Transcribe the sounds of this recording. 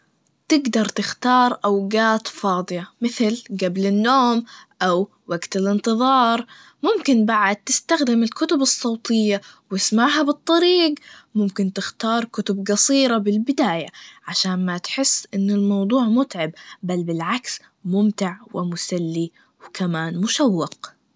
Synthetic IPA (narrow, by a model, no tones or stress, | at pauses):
t̪ɪɡd̪ɑɾˤt̪ɪxt̪ɑːɾˤʔawɡaːt̪fɑːd̪ˤɨjamɪθlɡablɪnːoːmʔaw | waɡt̪ɪlɪnt̪ɨðˤɑːɾˤ | mʊmkɪnbaʕad̪̚t̪ɪst̪axd̪ɪmɪlkʊt̪ʊbɨsˤːɑːt̪ʰɪjːawɪsmaʕɦabɨt̪ˤːɑɾiːɡmʊmkɪnt̪ɪxt̪ɑːɾˤkʊt̪ʊbɡɑsˤiːɾabɪlbɪd̪aːjaʕaʃaːnmat̪ħɪsːʔɪnːʊlmɑwd̪ˤuːʕmʊt̪ʕɪbbalbɪlʕaks | mʊmt̪ɪʕwʔɪ̰mʊsalːi | wkʰamaːnmʊʃawːɪq